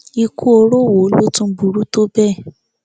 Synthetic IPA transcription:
i˧ku˦o˧ɾo˦˨wo˨˦lo˦tũ˧˦bu˨ɾu˦to˦bɛ˦˨

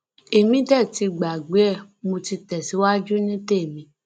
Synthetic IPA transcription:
e˨mĩ˨˦tɛ˦˨ti˧ɡ͡ba˨ɡ͡be˨˦ɛ˦˨ | mo˧ti˧tɛ˨si˨˦wa˦d͡ʒu˦nĩ˦te˦˨mĩ˧˦

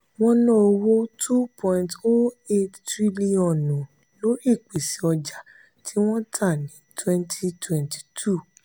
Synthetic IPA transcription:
w̃ɔ̃˦nɔ̃˦o˧wo˦tʰu˦pʰɔ̃˧ĩnto˦e˦ttɾi˦li˦ɔ̃˦˨nɔ̃˨ | lo˨˦i˦˨k͡pe˨si˨ɔ˧d͡ʒa˨ | tʰi˦w̃ɔ̃˦tʰa˦˨nĩ˨˦tʰwɛ̃˧ntʰi˧twɛ̃˨nti̥˨tʰu˦˨

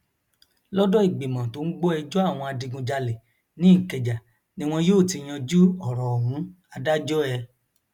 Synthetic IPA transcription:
lɔ˦dɔ˦i˦˨ɡ͡be˨mã˨to˨˦n̩˦ɡ͡bo˦ɛ˧d͡ʒɔ˦a˦˨w̃ɔ̃˧a˧dĩ˧ɡũ˧d͡ʒa˧le˨ | nĩ˦ĩ˦˨kɛ˨d͡ʒa˨ | nĩ˧˦w̃ɔ̃˧joː˦˨tĩ˧j̃ã˧d͡ʒu˦ɔ˨ɾɔ˨ɔ˨mũ˨˦ | a˧da˦d͡ʒɔ˦ɛ˧

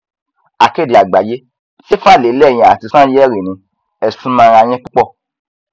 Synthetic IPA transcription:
a˨ke˦˨di˨a˨ɡ͡ba˨je˦ | se˦fã˦˨le˨˦lɛ˦˨j̃ɛ̃˨a˨ti˧sã˦jɛ˦ɾi˨nĩ˧ | ɛ˧sũ˦mã˦˧ɾ̃ã˧j̃ɛ̃˦k͡pu˦k͡pɔ˦˨

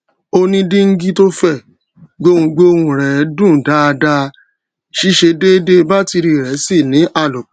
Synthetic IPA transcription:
o˧nĩ˦dĩ˦ŋ̩˦ɡi˦to˦fɛ˦˨ | ɡ͡bo˦wũ˧ɡ͡bo˦wũ˧ɾɛ˨˦dũ˦˨da˨˦˧da˧ | ʃi˦ʃe˧de˦de˦ba˦ti˧ɾi˧˨ɾɛ˨˦si˦˨nĩ˨˦ʔa˦˨lɔ˨˦

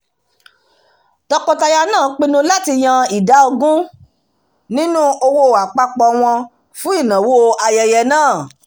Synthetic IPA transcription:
tɔ˧kɔ˧ta˧ja˧nãː˦˨˦k͡pĩ˧nũ˧la˦ti˧j̃ã˧i˨da˨˦o˧ɡũ˦ | nĩ˦nũ˦o˧wo˦˧˨a˨k͡pa˧k͡pɔ˧w̃ɔ̃˧ | fũ˦i˦˨nã˨wo˦a˧jɛ˨jɛ˧nãː˦˨

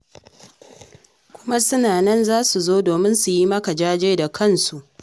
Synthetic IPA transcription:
kʷʊ˦ma˦sʊ˦naː˨nɛ˦nzaː˦su˨zoː˦doː˨mɪ˦nsu˨ji˦mɐ˦ka˨d͡ʒaː˦d͡ʒeː˦da˨kʰɐ˦˨nsu˨ʔ

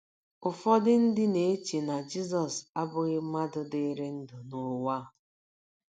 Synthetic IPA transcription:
ʊ˨fɔ˦dɪ˦n̩˦dɪ˦ne˨e˦t͡ʃe˨na˨d͡ʒi˦zɔ˨sa˦bʊ˦ɣɪ˦ma˦dʊ˨dɪ˦ɾe˦n̩˦dʊ˨nʊ˦wa˦˨

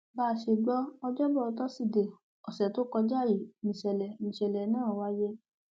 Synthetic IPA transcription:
ba˦˧˨ʃe˧˨ɡ͡bɔ˦ɔ˧d͡ʒɔ˦bɔ˦˨o˧tɔ˦si˦˨de˨ | ɔ˨sɛ˨to˦kɔ˧d͡ʒa˦˨ji˨˦˨mĩ˨ʃɛ˨lɛ˨mĩ˧˨ʃɛ˨lɛ˨˦nãː˦˨wa˦je˦

